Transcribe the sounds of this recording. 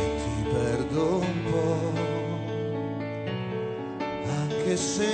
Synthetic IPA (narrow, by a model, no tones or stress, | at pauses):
t̪ʰipɛrd̪oumpɔ | aŋkese